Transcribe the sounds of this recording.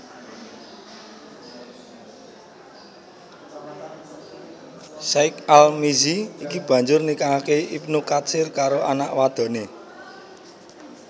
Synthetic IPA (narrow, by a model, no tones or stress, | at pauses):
saɪkalmiziikib̥ä̤ɲd͡ʒʊrnikakeipnukasɪrkaɾoʔanaʔwad̪̥ɔ̤ne